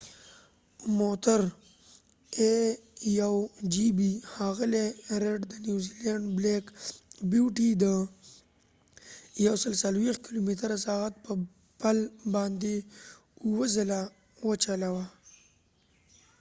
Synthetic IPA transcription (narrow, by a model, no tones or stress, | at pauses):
mot̪aɾ | ejawd͡ʒibihaɣɪleɾeɖd̪ənjuzilaɳɖblekbjuʈid̪ə | jawsəlsalwext̪̚kɪlumit̪əɾasɑɣat̪̚pə | palbɑnd̪e | uwəzəla | wət͡ʃalawa